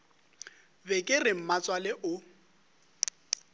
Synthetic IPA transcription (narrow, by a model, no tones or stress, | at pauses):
bɛkʼɪrɪm̩mat͡sʼwalɪʔʊ